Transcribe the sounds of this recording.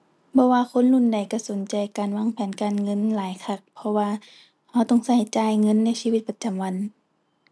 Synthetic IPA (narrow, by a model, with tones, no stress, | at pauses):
bɔː˧˦waː˧kʰo˧˥˨nlu˧˥˨nda˨˩jka˧˩so˨˦nt͡ɕa˨˩jkaː˨nwaː˧˥˨ŋpʰɛː˨˦nkaː˨nŋɤ˧˥˨nlaː˨˦jkʰa˧˩k̚pʰɔ˧waː˧ | ha˧˩wt̪ɔ˧˨ŋsa˧˩jt͡ɕaː˧˨jŋɤ˧˥˨nːa˧˨siː˧i˧t̪̚pa˧t͡ɕa˨mwa˧˥˨n